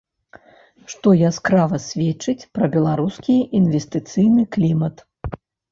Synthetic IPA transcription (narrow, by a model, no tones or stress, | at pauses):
ʂt̪ɔjaskɾavɐsʲvʲɛt͡ʂːɨt͡sʲpɾɐbʲɛlˠaɾuskʲiinvʲɛst̪ɨt̪sɨjnɨklʲimɐt̪